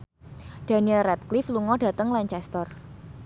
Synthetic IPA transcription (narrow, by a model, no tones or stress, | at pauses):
d̥a̤niəlrɛt̪̚klifluŋɔɖ̥ä̤t̪əŋlaɲt͡ʃɛst̪ər